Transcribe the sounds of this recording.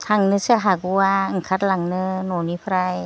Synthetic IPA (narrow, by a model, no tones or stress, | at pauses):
t̪ʰaŋnɯsaɦaɡuaŋkʰat̪̚laŋnɯnonipʰɾaj